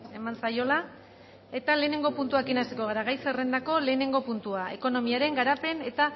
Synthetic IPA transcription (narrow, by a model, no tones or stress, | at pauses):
e̞mansajo̞la | e̞t̪ale̞ːne̞ŋɡo̞punt̪uakinast̪ekoɣ̞aɾaɣajsere̞nd̪ako̞le̞ːne̞ŋɡo̞punt̪uae̞ko̞no̞miaɾe̞ŋɡaɾape̞ne̞t̪a